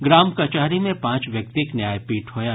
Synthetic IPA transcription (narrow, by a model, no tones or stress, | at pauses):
ɡɾaːmkɐt͡ʃaːɾimẽpãːt͡ʃʋjɐk̚t̪ɪknjaːjpiːʈɦoːja